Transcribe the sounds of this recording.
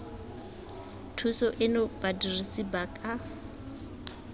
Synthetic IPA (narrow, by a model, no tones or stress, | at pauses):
tʰusɔʔɪnʊb̥adirisibakʼa